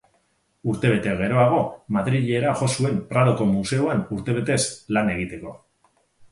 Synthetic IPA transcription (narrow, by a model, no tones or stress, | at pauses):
uɾt̪e̞β̞e̞t̪e̞ɣ̞e̞ɾo̞aɣ̞o̞maðɾiʎe̞ɾaʝo̞sue̞mpɾaðoko̞muse̞oanuɾt̪e̞β̞e̞t̪e̞slane̞ɣ̞it̪e̞ko̞